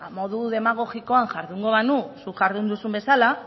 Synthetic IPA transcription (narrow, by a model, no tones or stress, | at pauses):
mo̞ðuðe̞maɣ̞o̞ɣiko̞aŋʝaɾðuŋɡo̞βanusuʝaɾðund̪usumbe̞sala